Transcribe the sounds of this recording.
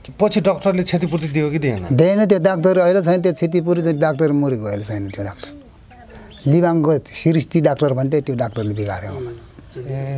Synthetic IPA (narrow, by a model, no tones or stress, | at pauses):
pʌt͡sʰiɖʌkʈʌrlet͡sʰet̪̬ipuɾt̪id̪ijokid̪ḛnʌ̰d̪enʌt̪joɖak̚ʈʌɾʌjlot͡sʰʌjnʌt̪̬jot͡sʰet̪̬ip̬uɾit͡saɖak̚ʈʌɾmuɾikojlot͡sʰʌjnʌt̪joɖak̚ʈʌ̥r | libaŋɡosiɾist̪iɖakʈʌrbʱʌɳʈet̪joɖakʈʌrlid̪ika̰ɾjeona